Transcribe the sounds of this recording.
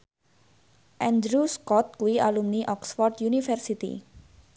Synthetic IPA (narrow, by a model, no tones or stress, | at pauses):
ʔɛnd̪ɾuskɔt̪̚kuwiʔalumniʔɔksfɔrd̪junifɛrsit̪ḭ